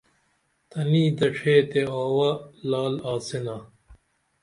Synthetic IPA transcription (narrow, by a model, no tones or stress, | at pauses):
t̪ɐniːd̪ɐʈ͡ʂʰeːt̪eoːwɐlaːlaːsena